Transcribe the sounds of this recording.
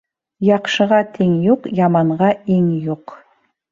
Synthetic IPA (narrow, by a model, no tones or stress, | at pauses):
jɑqʃəʁɑt̪ʰeŋjuqjɑmɑɴʁɑeŋjuq